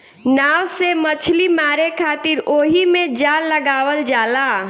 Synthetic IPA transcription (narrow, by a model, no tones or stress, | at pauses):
naːwsemət͡ʃʰlimaːɾekʰaːt̪iɾoːɦimẽd͡ʒaːlːəɡaːwəld͡ʒaːla